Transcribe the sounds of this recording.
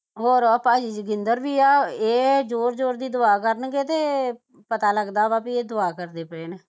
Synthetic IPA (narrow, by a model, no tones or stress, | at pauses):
ɦoːɾəpaːd͡ʒiːd͡ʒɡɪnd̪əɾʋiːaːeːd͡ʒoːɾd͡ʒoːɾd̪iːd̪ʊaːkəɾənɡeːt̪eː | pət̪aːləɡd̪aːʋaːpieːd̪ʊaːkəɾd̪eːpəɾeːneː